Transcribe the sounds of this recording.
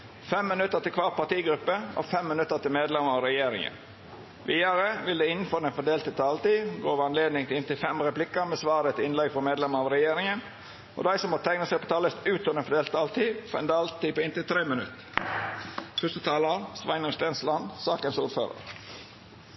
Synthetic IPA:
fɛmːənʉt̪ːət̪ɪlkʰʋɑːɾ̚pɑt̪iːɡɾʉpːəɔ̰fɛmːənʉt̪ːət̪ɪlmeːd̪lɛməɾɑɾɛjeːɾɪ̰ŋə̰n | ʋiːəɾəʋɪld̪eːɪnn̩fɔɾd̪ɛnfɔd̪eːlt̪ɪt̪ʰɑːlt̪iːɡoːʋɑnleːd̪nɪŋt̪ɪnt̪ɪlfɛmɾɛplɪkəɾmɛːsʋɑːɾət̪ɪnlɛɡfɔmeːd̪lɛməɾɑʋɾɛjeːɾɪŋən | ʔɔ̰d̪æɪsɔmɑt̪ʰæɪŋnəsɛɪpʰɔt̪ʰɑːləst̪ʉːt̪ɔd̪ɛnfɔdɖeːlt̪ʰɑːlt̪ʰiːfɔɛ̰nd̪ɑːlt̪iːpɔɪnt̪ɪlt̪ʰɾeːmənʉ̰t̪ː | fœst̪ət̪ʰɑːləɑsʋæɪnəst̪ɛːnslɑnsɑːkənsuːɾfø̰ːɾə̰ɾ

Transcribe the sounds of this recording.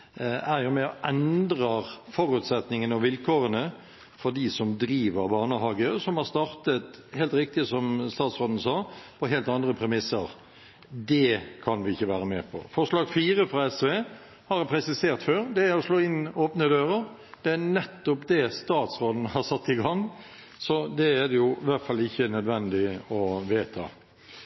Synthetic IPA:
æɾjʊmɛɔʔɛnd̪ɾɑfɔɾʉːt̪sɛt̪nɪŋənɑʋɪlkʰoːɾənə | fɔɖisɔmd̪ɾiːʋəɾbɑːʁnəɦɑːɡəsɔmhɑɾst̪ɑɾt̪ət̪heːlt̪ɾɪk̚t̪ɪsɔmst̪ɑːt̪sʁoːd̪n̩sɑːpʰɔɦeːlt̪ɑnd̪ɾəpʰɾɛmɪsəɾ | d̪ɛkʰɑnʋɪɪçːəʋæːɾəmɛːpʰɔ̰fɔʂlɑːɡfiːɾəfɾɑɛsʋeː | hɑɾpʰɾɛsɪseːɾʁt̪føːɾd̪ɛæɾɔsloːɪnːoːpnəd̪øːɾəɾ | d̪̥ɛæɾnɛt̪ːɔpd̪ɛst̪ɑːt̪sʁoːd̪n̩hɑɾsɑt̪ːɪɡɑŋː | sɔd̪ɛæd̪ɛjʊɪʋæʁt̪fɑlːɪçːənœd̪ʋɛnd̪ɪɔʋeːt̪ʰɑ̰

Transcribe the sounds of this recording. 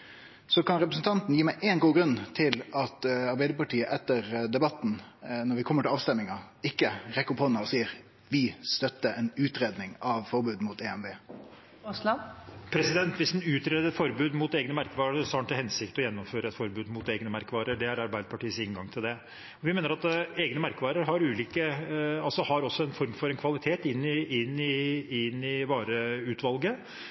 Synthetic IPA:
sɔkʰɑnɾɛpɾəsən̩t̪ʰɑnt̪n̩jiːmæɪʔeːnɡuːɡɾʉnːt̪ʰɪlɑt̪ɑɾbæɪd̪əpɑʈʰiːəʔɛt̪ːəɾd̪ɛbɑt̪n̩nɔɾʋɪkʰɔmːəʈʰɪlɑːʋst̪ɛmːɪŋɑɪkːəɾɛkəʊphɔnːɑɔsiːəɾ | ʋɪst̪œt̪ːəɛnʉːt̪ɾeːd̪nɪŋɑʋfɔɾbʉːd̪muːt̪ɛɛnbeː | ʊslɑpʰɾɛsɪd̪ɛnt̪ʋɪsd̪nʉːt̪ɾeːd̪əɛtfɔɾbʉːd̪mʊt̪eːɡnəmæɾkəʋɑːɾəsɑːɳʈ̪ɪhɛnsɪkt̪ɔjɛnːɔmføːɾəɛt̪fɔɾbʉːd̪mʊt̪eːɡnəmæɾkəʋɑːɾəɖɛæɾɑɾbæɪd̪əpʰɑʈiːəsɪŋɡɑŋt̪ʰɪld̪ɛ | ɔʋɪmeːnəɾɑt̪eːɡnəmæɾkəʋɑːɾəɾɦɑɾʉːliːkəɑlsɔhɑɾɔsːɔɛnfɔɾmfɔɾɛnkʰʋɑlɪt̪ʰeːt̪ɪnːɪɪnːɪɪnːɪʋɑːɾəʉːt̪ʋɑlɡə

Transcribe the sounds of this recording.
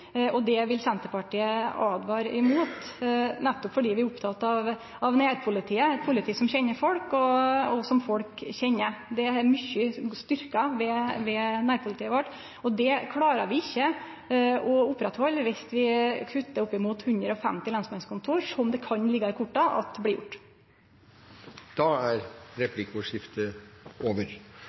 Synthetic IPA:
ɔd̪ɛʋɪlsɛnt̪əpɑʈʰiːəɑːd̪ʋɑːɾɪ̰muːt̪næt̪ːɔpfɔɖiːʋɪɾʊpt̪ʰɑt̪ːɑʋ | ɑʋnæːɾpʰʊlɪt̪ʰiːəɛt̪̚pʰʊlɪt̪iːsɔmçɛnːəɾfɔlkɔɔsɔmfɔlkçɛnːəd̪ɛæɾmʏçːəst̪ʏɾkɑʋɛʋɛnæːɾpʰʊlɪt̪iːəʋɔʈː | ɔd̪ɛkʰlɑːɾəʋɪɪçːə | ɔʊpːɾɛt̪hɔlːʋɪst̪ʋɪkʰʉt̪ːəʊpːɪmuːt̪hʉnd̪ɾəɔfɛ̰mt̪ɪlɑnsmɛnskʰʊnt̪ʰuːɾʂɔmd̪ɛkʰɑnlɪɡɑɪkʰʊʈːɑʔɑ̰t̪̚blɪjʊ̰ʈː | d̪̥ɑæɾɾɛpʰlɪkʊʂɪft̪əoːʋəɾ

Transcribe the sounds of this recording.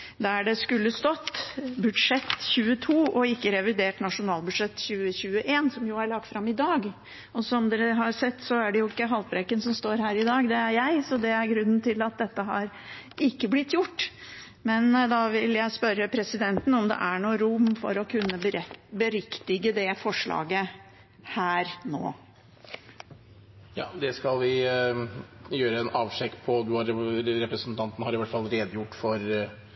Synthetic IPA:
d̪æɖɛskʉlːəst̪ɔt̪ːbʉd̪ʂɛt̪ːçʉːət̪ʰuːɔɪkːəɾɛʋɪd̪eːʈnɑʂʊnɑːlbʉd̪ʂɛt̪ːçʉːəɕʉːəʔeːnsɔmjʊæɾɭɑɡ̚t̪fɾɑmɪd̪ɑːɡ | ɔsɔmd̪ɛːɾəɦɑɾsɛt̪ːsɔæɖɛjʊɪkːəɦɑlt̪̚bɾɛkːənsɔmst̪oːɾhæːɾɪd̪ɑːɡd̪ɛæɾjæɪsɔd̪ɛæɾɡɾʉnːənt̪ʰɪlɑt̪̚d̪ɛt̪ːəɦɑ̰ɾ | ɪkːəblɪt̪ːjʊʈː | mɛnd̪ɑʋɪljæɪspœɾəpʰɾɛsɪd̪ɛnt̪n̩ɔmd̪ɛ̰ʔæɳuːɾʊmːfɔ̰ɾɔkʰʉnːəbbəɾɪkt̪ɪɡəd̪ɛfɔʂɭɑ̰ːɡə | hæːɾno̰ː | jɑ̰ːd̪ɛskɑlʋɪ | jøːɾəɛnɑːʋʂɛkːpʰɔd̪ʉɑɾɾɛpɾəsn̩t̪ʰɑnt̪ən̩hɑɾɪʋæʈːfɑlːɾeːd̪əjʊʈːfɔɾ

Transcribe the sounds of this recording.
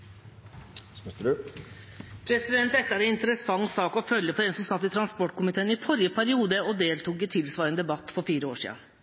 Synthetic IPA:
pʰɾɛsɪd̪ɛnt̪ɛt̪ːəæɾɛnɪnt̪əɾəsɑŋːsɑːkɔfœljəfɔɾɛnsʉmsɑt̪ːɪt̪ʰɾɑnspɔʈːkʊmɪt̪ʰeːnɪfɔɾjəpʰæɾɪuːd̪əɔd̪eːlt̪uːkɪt̪ʰɪlsʋɑːɾənd̪ɛbɑt̪ːfɔɾfiːɾəoːʂḭːə̰n

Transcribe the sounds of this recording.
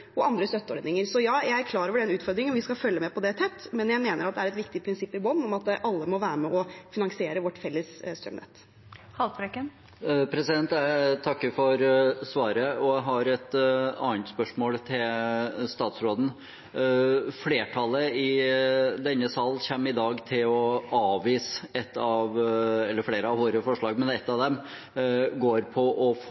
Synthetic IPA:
ɔʔɑnd̪ɾəst̪œt̪ːəɔɾd̪nɪŋəɾsɔjɑːjæɪæɾkʰlɑːɾəʋəɖɛnʉːt̪fɔɾd̪ɾɪŋɔmʋɪskɑfœlːəmɛpʰɔd̪ɛt̪ʰɛt̪ːmɛnjæɪmeːnəɾɑt̪̚d̪ɛæɾɛt̪ʋɪkt̪ɪpʰɾɪnsɪpːɪbɔnːɔmɑt̪̚d̪ɛʔɑlːəmɔʋæːɾəmɛʔɔfɪnɑŋsɪeːɾəʋɔʈːfɛlːəssːt̪ɾœ̰mnɛ̰t̪ː | hɑlbɾɛkːən | pʰɾɛsɪd̪ɛnt̪æɪt̪ʰɑkːəfɔɾsʋɑːɾəɔæɦɑɾɛt̪ɑ̰ːnt̪spœʂmoːlt̪ʰɪlst̪ɑːt̪sɾoːd̪n̩ | fleːʈʰɑləɪ | d̪ɛnːəsɑlçæmːɪd̪ɑːɡt̪ʰɪlɔɑːʋiːsɛt̪ːɑʋɛlːəɾfɽeːɾəɑʋʋoːɾəfɔʂɭɑːɡmɛnɛt̪ːɑʋd̪ɛm | ɡoːɾpʰɔʔɔf

